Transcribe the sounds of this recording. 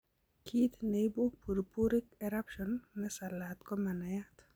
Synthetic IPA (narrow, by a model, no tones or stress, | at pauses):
kʰit̪nebupuɾpuɾikɛɾapʃɔnːɛsalat̪kɔmanajat̪